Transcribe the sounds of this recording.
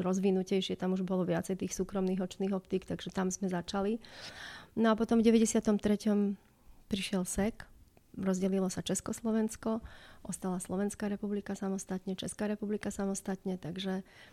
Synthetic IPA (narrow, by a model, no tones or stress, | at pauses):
ɾɔzʋinucɛjʃɪɛt̪amuʒbɔlɔʋɪat͡sɛjt̪iːxsuːkɾɔmniːɦɔt͡ʃniːɣɔpt̪iːkt̪aɡʒɛt̪amzmɛzat͡ʃali | nɔapɔt̪ɔmvɟɛʋɛɟɛsɪat̪ɔmt̪ɾɛcɔm | pɾiʃɪɛlsɛk | ɾɔzɟɛlilɔsat͡ʃɛskɔslɔʋɛnskɔʔɔst̪alaslˠɔʋɛnskaːɾɛpublikasamɔst̪at̪ɲɛt͡ʃɛskaːɾɛpublikasamɔst̪at̪ɲɛt̪aɡʒɛ